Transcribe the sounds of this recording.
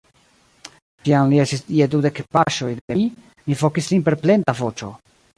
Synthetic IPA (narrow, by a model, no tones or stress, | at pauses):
tiamliestisiedude̞kpaʃo̞jdei | mifo̞kislinpe̞ɾple̞ntavo̞t͡ʃo̞̰